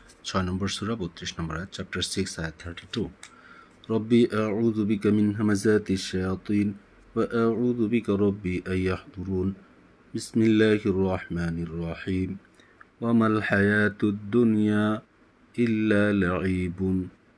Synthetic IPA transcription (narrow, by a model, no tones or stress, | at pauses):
t͡ʃanɐmbəɾsuːɾabot̪ɾɪʃnɐmbəɾat̪̚t͡ʃap̚ʈəɾsɪksajat̪ʰːəɾʈʰit̪uː | ɾˤɑbːiːʔaʕuːðʊbɪkamɪnɦamazaːt̪ʃːajɑːt̪ˤiːn | waʔaʕuːðʊbɪkaɾˤɑbːiːʔajːɑħd̪ˤʊɾuːn | bɪsmɪlːaːhʔɑrˤːɑħmaːnɪrˤːɑħiːm | wamalħajaːt̪d̪ːʊnjaː | ʔɪlːaːlaʕiːb